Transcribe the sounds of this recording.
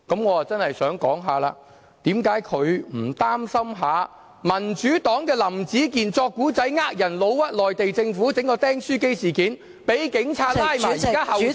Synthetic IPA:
kɐ˨˥mŋɔː˨˧a˨˩t͡sɐ˥nhɐ˨jsœː˨˥ŋkɔː˨˥ŋɦaː˨˧la̰ː˧ | t̪iː˨˥mkaː˨˥jkʰɵ˨˧ɥm̩˨˩t̪aː˥msɐ˥mɦaː˨˧ | mɐ˨˩nt͡ʃyː˨˥t̪ɔː˨˥ŋkɛː˧lɐ˨˩mt͡siː˨˥k̬iː˨˩nt͡sɔː˧kːuː˨˥t͡sɐ˨˥jŋaː˧˥k̚jɐ˨˩nlo˨˧wwɐ˥t̚lɔː˨jt̪e˨jt͡sɪ˧ŋfuː˨˥t͡sɪ˨˥ŋkɔː˧t̪ɛː˥ŋsyː˥ke˥jsiː˨˩kiː˨˥n | pe˨˥jkɪ˨˧˥ŋt͡sʰaː˧t̚lːjmaː˨jiː˨kaː˥hɐ˨w

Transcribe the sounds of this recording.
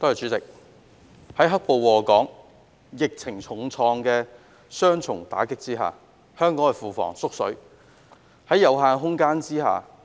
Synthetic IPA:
t̪oː˥jɐ˨t͡ʃyː˨˥t͡sɪ˨k̚ | hɐ˨˥jɦɐ˥k̚po˨˧wwɔː˨kɔː˨˥ŋ | jɪ˨k̚t͡sʰɪ˨˩ŋt͡sʰʊ˨˩ŋt͡sʰɔː˧ŋkɛː˧ | sœː˥ŋt͡sʰʊ̰˨˩ŋt̪a̰ː˨˥kɪ˥k̚t͡siː˥ɦa̰ː˨ | hœː˥ŋkɔː˨˥ŋɐ˨fuː˨fɔ̰ː˨˩ŋsʊ˥k̚sɵ̰˨˥ɥ | hɐ˨˥jɐ˨˧wɦaː˧nɦʊ˥ŋkaː˥nt͡siː˥ɦa̰ː˨˩

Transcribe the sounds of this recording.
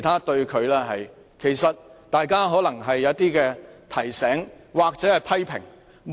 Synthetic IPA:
jt̪ʰaː˥t̪ɵ˧ɥkʰɵ˨˧ɥlɛː˥ɦɐ̰˨j | kʰe˨˩jsɐ˨t̪̚t̪aː˨jkaː˥ɦɔː˨˥lɐ˨˩ŋɦɐ˨jːɐ˨˥t̪iː˥kɛː˧t̪ʰɐ˨˩jsɛː˨˥ŋwaː˨k̚t͡sɛː˨˥hɐ˨jpʰɐ˥jpʰɪ̰˨˩ŋ | m

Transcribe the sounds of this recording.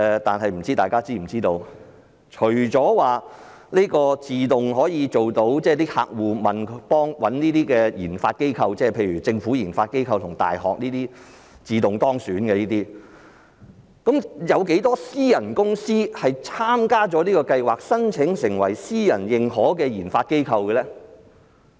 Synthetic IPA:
ɛ˨t̪aː˨nɦɐ˨jm̩˨˩t͡siː˥t̪aː˨jkaː˥t͡siː˥m̩˨˩t͡siː˥t̪o˧w | t͡ʃʰɵ˨˩ɥt͡sɔː˨˥waː˨ | liː˥kɔː˧t͡siː˨˧t̪ʊ˨ŋɦɔː˨˥jiː˨˧t͡so˨wt̪o˨˥wt͡sɛː˥˧liː˥ha̰ː˧k̚wuː˨mɐ˨npɔː˥ŋwɐ˨˥nniː˥t̪iː˥kɛː˧jḭː˨˩nfa̰ː˧t̚ke˥jkʰɐ˧wt͡sɛː˥˩pʰe˧jɥyː˨˩t͡sɪ˧ŋfuː˨˥jiː˨˩nfaː˧t̚ke˥jkʰɐ˧wt̪ʰʊ˨˩ŋt̪a̰ː˨jɦɔ̰ː˨k̚niː˥t̪iː˥ | t͡siː˨˧t̪ʊ˨ŋt̪ɔː˥ŋsyː˨˥nkɛ˧liː˥t̪iː˥ | kɐ˨˥mjɐ˨˧wke˨˥jt̪ɔː˥siː˥jɐ˨˩nkʊ˥ŋsiː˥hɐ˨jt͡sʰaː˥mkaː˥t͡ʃɔː˨˥niː˥kɔː˧kɐ˧jwaː˨k̚sɐ˥nt͡sʰɪ˨˥ŋsɪ˨˩ŋwɐ̰˨˩jsiː˥jɐ˨˩njɪ˨ŋhɔː˨˥kɛː˧jiː˨˩nfaː˧t̚ke˥jkʰɐ˧wkɛ˧lɛː˥

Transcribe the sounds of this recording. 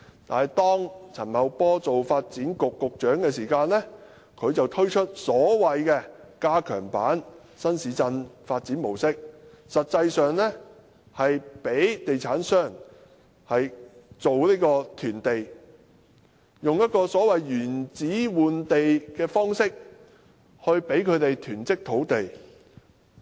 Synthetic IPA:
t̪a̰ː˨n˨jt̪ɔː˥ŋt͡sʰɐ˨˩nmɐ˨˧wpɔː˥t͡so˨wfaː˧t̚t͡siː˨˥nkʊ˨kːʊ˨k̚t͡ʃœː˨˥ŋkɛː˧siː˨˩kaː˧nlɛ˥ | kʰɵ˨˧ɥt͡sɐ˨wt̪ʰɵ˥ɥt͡ʃʰɵ˥t̚sɔː˨˥wɐ˨jkɛː˧kaː˥kʰœː˨˩ŋpaː˨˥n | sɐ˥nsiː˨˥t͡sɐ˧nfaː˧t̚t͡siː˨˥nmo˨˩wsɪ˥k̚ | sɐ˨t̚t͡sɐ˧jsœː˨ŋlɛ˥ | hɐ˨jpe˨˥jt̪e˨jt͡sʰaː˨˥nsœː˥˩ŋ | hɐ˨jt͡so˨wliː˥kɔː˧t̪ʰyː˨˩nt̪e˨j | jʊ˨ŋjɐ˥t̚kɔː˧sɔː˨˥wɐ˨jɥyː˨˩nt͡siː˨˥wuː˨nt̪e˨jkɛː˧fɔː˥ŋsɪ˥k̚ | hɵ˧ɥpe˨˥jkʰɵ˨˧ɥt̪e˨jt̪ʰyː˨˩nt͡sɪ˥k̚t̪ʰo˨˥wt̪e˨j

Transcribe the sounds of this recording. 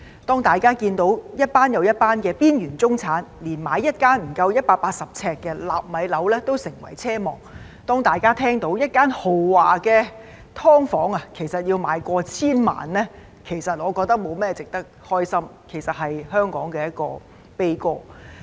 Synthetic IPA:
t̪ɔː˥ŋt̪aː˨˩jkaː˥kiː˧nt̪o˨˥wjɐ˥t̚paː˥njɐ˨˧wjɐ˥t̚paː˥nkɛː˧piː˥njyː˨˩nt͡sʊ˥ŋt͡sʰaː˨˥nliː˨˩nmaː˨˥jːɐ˥t̚kaː˥nm̩˨˩kɐ˧wjɐ˥t̚paː˧t̚paː˧t̚sɐ˨p̚t͡sʰɛː˧kːɛː˧la̰ː˨p̚mɐ˨˥jlɐ˨˥wlɛː˥t̪o˥wsɪ˨˩ŋwɐ̰˨˩jt͡sʰɛː˥mɔ̰ː˨˩ŋ | t̪ɔː˥ŋt̪aː˨˩jkaː˥t̪ʰɛː˥ŋt̪o˨˥wjɐ˥t̚kaː˥nho˨˩wwaː˨kɛː˧ | t̪ʰɔː˥ŋfɔː˨˥ŋɐ˨kʰe˨˩jsɐ˨t̚jiː˧wmaː˨˧jkʷɔː˧t͡sʰiː˥nma̰ː˨˩nlɛ˥ | kʰe˨˩jsɐ˨t̚ŋɔː˨˧kɔː˧k̚t̪ɐ˥k̚mo˨˧wmɛː˥t͡sɪ˨k̚t̪ɐ˥k̚hɔː˥jsɐ˥mkʰe˨˩jsɐ˨t̚ɦɐ˨jhœː˥ŋkɔ̰ː˨˥ŋkɛː˧jɐ˥t̚kɔ̰ː˧ | pe˥jkɔː˧

